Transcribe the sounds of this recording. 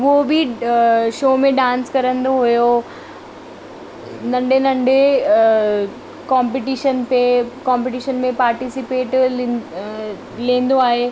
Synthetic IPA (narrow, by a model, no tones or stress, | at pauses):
ʋobɪ | ʃoːmẽɖãːnskɐɾə̃nd̪oɦʊjo | nɐ̃ɳɖenɐ̃ɳɖe | kãːmpɪʈiːʃənpekãːmpeʈiʃənmẽpaːɾʈisɪpeːʈ | lĩːn̆d̪oaːɦeː